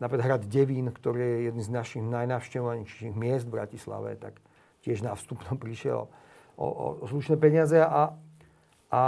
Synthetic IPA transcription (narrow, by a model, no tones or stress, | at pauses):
napɾikaɦɾad̪ɟɛʋiːnkt̪ɔɾiːjɛjɛd̪nĩːznaʃiɣnajnaːʊʃcɛʊʋaɲɛʃʃiɣmɪɛsd̪vɾacisla̰ʋɛ̰t̪a̰k | cɪɛʒnafst̪upnɔmpɾiʃɪɛ̰lɔ̰ | ɔ̰ʔɔ̰sluʃnɛːpɛɲɪazɛa | ʔa